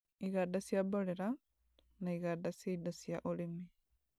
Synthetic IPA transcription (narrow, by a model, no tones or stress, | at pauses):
iɣadasjaboɾeɾa | naiɣadasieidasiaʔolimi